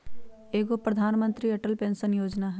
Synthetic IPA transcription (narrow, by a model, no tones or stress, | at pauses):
eːɡopɾɐd̪ʱaːnmə̃nt̪ɾiɐʈəlpẽːnsənjoːd͡ʒnaɦɛ